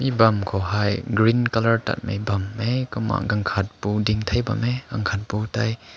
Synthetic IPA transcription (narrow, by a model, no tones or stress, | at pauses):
mibɐmkʰɔɦajɡɾinkɐləɹta̰t̚mḛjbɐmːejkɔma̰ʔɡɐŋkʰɐt̚pudiŋt̪ʰɐjbɐ̰mekaŋkʰat̚putaj